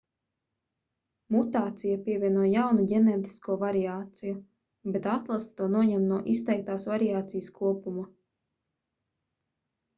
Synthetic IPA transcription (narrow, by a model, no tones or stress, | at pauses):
mut̪aːt̪sijapʲiɛvʲiɛnuɔjjawnuɟenɛːt̪i̥skuɔvaɾiaːt̪siju | bet̪at̪lˠast̪uɔnuɔɲɛmnuɔʔist̪ɛjk̚t̪aːsvaɾiaːt̪sijəskuɔpuma